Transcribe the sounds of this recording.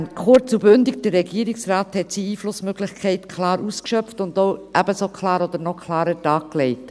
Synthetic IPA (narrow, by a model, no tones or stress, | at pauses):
nkʰχʊɾt͡subʏndɪkd̥əɾːɛɡiəɾɪksɾaːthɛtsiiːflʊsmøɡlɪxkʰɛɪtkʰlɑːɾuːskʃœpftʊndoʊʔæbəsokʰlɑːɾɔd̪əɾnɔkʰlɑːɾətɑːkklɛɪt